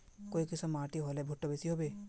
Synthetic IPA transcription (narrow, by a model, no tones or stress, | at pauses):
koikisʰɔmaʈiɦɔlebʱuʈːɔbesiɦobe